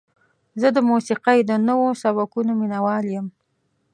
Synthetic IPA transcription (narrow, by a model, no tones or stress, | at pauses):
zəd̪əmusiqajd̪ənəwosaβakunominawɑljəm